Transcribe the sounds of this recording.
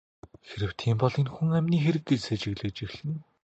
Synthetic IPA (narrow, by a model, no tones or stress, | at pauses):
xeɾɘ̆w̥t̪ʰiːmpɔɮĭnxuŋæmʲniːxeɾɘ̆k̚ɡet͡ɕset͡ɕɪ̆ɣɮɘ̆k̚t͡ɕiɣɮɘ̆n